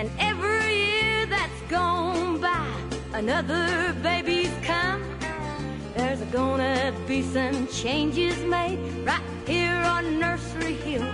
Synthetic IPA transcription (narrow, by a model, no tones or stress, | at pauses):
ɨ̃nɛvɹijɪɹðɨtsɡ̥oʊ̃nbaɪ | ənʌðə˞beɪbiz̥kʰʌ̃m | ðə˞zəɡõʊ̃nʌbisʌ̃mt͡ʃʰẽɪ̃nd͡ʒɪzmeɪd̚ | ɹaɪt̚hiɹə̃nːɜ˞sə˞ihilˠ